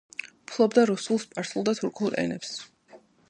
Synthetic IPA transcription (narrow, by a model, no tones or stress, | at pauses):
pʰlˠɔbd̪aɾusulˠspʼaɾsulˠd̪at̪ʰuɾkʰulˠʔɛ̰nɛps